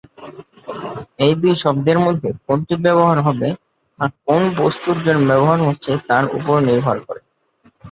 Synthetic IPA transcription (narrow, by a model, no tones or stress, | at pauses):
ejd̪ujʃɔb̚d̪eɾmod̪ʱːekonʈibɛβoɦaɾɦɔbe | ak̚onbost̪uɾd͡ʑonbɛboɦaɾɦotːɕʰet̪aɾṵpoɾniɾbʱaɾkɔɾe